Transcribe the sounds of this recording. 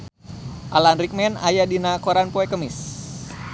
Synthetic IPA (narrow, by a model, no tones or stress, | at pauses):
ʔalanɾik̚mɛna̰jadinakoɾanpoɛkəmis